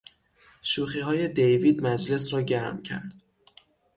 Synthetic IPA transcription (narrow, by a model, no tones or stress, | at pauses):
ʃuːxiːɦɒːje̞d̪ejviːd̪mæd͡ʒle̞sɾɒːɟæɾmcʰæ̰ɾd̪̥